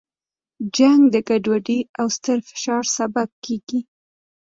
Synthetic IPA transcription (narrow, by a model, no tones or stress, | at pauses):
d͡ʒaŋɡd̪əɡaɖwaɖiawst̪əɾfɪ̥ʃɑɾsabab̚keɡi